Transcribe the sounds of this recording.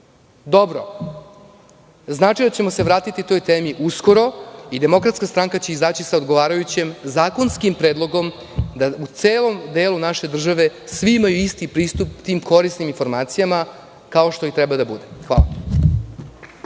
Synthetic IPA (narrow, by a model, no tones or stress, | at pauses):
d̪o̞bɾo̰ | znaːt͡ʃid̪at͡ɕe̞mo̞seʋɾaːt̪it̪it̪o̞jt̪e̞ːmiʔusko̞ɾo̞id̪e̞mo̞kɾat̪skast̪ɾaŋkat͡ɕeizaːt͡ɕisao̞d̪ɡo̞ʋaːɾajut͡ɕe̞mzaːko̞nskimpɾed̪lˠo̞ɡo̞m | d̪aut̪seːlo̞md̪e̞ːlunaʃe̞d̪r̩ʒaʋe̞sʋiimajuist̪ipɾiːst̪upt̪iːmko̞ɾisniminfo̞ɾmaːt̪sijama | kao̞ʃt̪o̞it̪ɾɛbad̪abud̪exʋa̰ːla̰